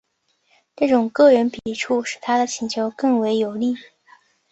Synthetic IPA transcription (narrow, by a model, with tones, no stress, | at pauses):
ʈ͡ʂɤ˥˩ʈ͡ʂʊ˨˩ŋkɤ˥˩ɻə˧˥npi˨˩ʈ͡ʂʰu˥˩ʂɻ̩˨˩t̪ʰa˥d̪ə˨t͡ɕʰi˧˥ŋt͡ɕʰjo˧˥ʊkɤ˥˩ŋwe˧˥ɪjo˨˩ʊli˥˩